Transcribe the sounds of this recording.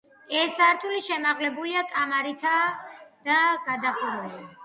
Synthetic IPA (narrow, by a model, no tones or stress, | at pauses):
ɛsaɾt̪ʰuliʃɛmaʁlɛbuliakʼamaɾit̪ʰad̪̥aɡ̥ad̪aχuɾɛli